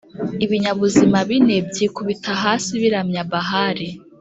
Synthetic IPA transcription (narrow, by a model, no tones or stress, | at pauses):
iβiɲaβuzimaβinebɟiːkuβitaɦaːsiβiɾamɲaβaɦaɾe